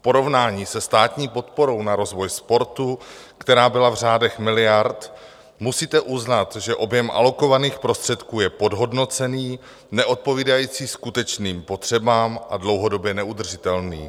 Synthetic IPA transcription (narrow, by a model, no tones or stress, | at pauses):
po̞ɾo̞vnaːɲiːsɛst̪aːt̪ɲiːpo̞t̪po̞ɾo̞wnaɾo̞zvo̞jspo̞ɾt̪ukt̪ɛɾaːbɪlavr̝aːdɛxmɪlɪjaɾt̪ | musiːt̪ɛʔuznat̪ʒɛʔo̞bjɛmʔa̰lo̞ko̞vaniːxpɾo̞st̪r̝̥ɛt̪kuːjɛpo̞dɦo̞dno̞t͡sɛniː | nɛʔo̞t̪̚po̞viːdajiːt͡siːskut̪ɛt͡ʃniːmpo̞t̪r̝̥ɛbaːmʔadlo̞wɦo̞do̞bjɛnɛud̪r̩ʒɪt̪ɛlnḭː